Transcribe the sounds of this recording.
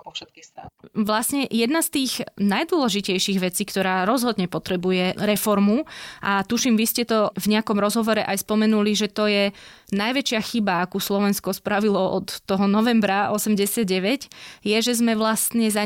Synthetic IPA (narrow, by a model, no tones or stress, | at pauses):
ʃɛt̪̚kisaʋlasɲɛjɛd̪nast̪iːɣnajd̪ʊwɔlɛʒicɛjʃiːɣʋɛt͡siːkt̪ɔɾaːɾɔzɦɔd̪ɲɛpɔt̪ɾɛbujɛɾɛfɔɾmuʔat̪uʃimʋiscɛt̪ɔvɲɛakɔmɾɔzɦɔʋɔɾɛʔajspɔmɛnuliʒɛt̪ɔjɛ | najʋɛt͡ʃɪaxibaakuslɔʋɛnskɔspɾaʋilɔʔɔt̪ːɔɦɔnɔʋɛmbɾaɔsɛmɟɛsɪad̪ɟɛʋɛɟjɛʒɛzmɛʋlast̪ɲɛza